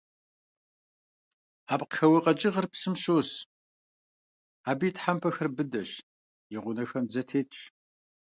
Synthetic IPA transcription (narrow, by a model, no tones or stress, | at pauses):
aːpqxɐwɨqʼɐd͡ʒʼɪʁərpsɨmɕoːs | aːbiːtʰħampʰɐxɐrbɨdɐɕ | jeʁʷʊnɐxɐmzɐtʰeːtʼ